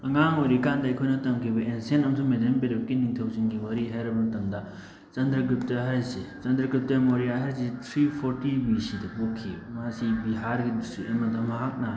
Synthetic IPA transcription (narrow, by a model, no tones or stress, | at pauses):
ɐŋaŋoɾikandaɐjkʰojnɐtɐmkʰibɐʔensenɐmsumedempeɾep̚kiniŋtʰɐwsinɡimɐɾiɦajɾɐbɐtɐmd̪a | t͡ʃɐnd̪ɾɐk̬ɾip̚tɐɦajset͡ʃɐnd̪ɾɐkɾip̚tɐmoɾijaɦɐɾsit̪ʰɾipʰoɾtibisidɐpokʰːimasibiɦaɾɡisiʔemɐdɐmɐɦak̚na